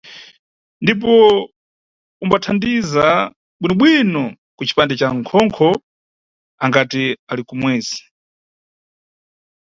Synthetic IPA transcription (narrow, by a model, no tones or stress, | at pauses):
ndip̬ɔ | umbatʰandiza | ɓwinɔɓwinɔ | kut͡ʃʰi̥pandɛt͡ʃaŋkʰɔŋkʰɔ | aŋɡatialikumwɛːzi̥